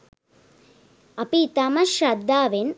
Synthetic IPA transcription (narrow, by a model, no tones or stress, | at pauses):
ɐpit̪ɐmɐʃɾɐd̪ːaːʋen